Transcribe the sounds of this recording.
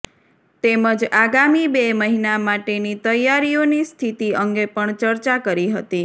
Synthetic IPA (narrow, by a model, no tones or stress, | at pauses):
t̪eməd͡ʒaɡamibeməɦinamaʈenit̪əjaɾionist̪ʰit̪iəŋɡepəɳt͡ʃəɾt͡ʃakəɾiɦət̪i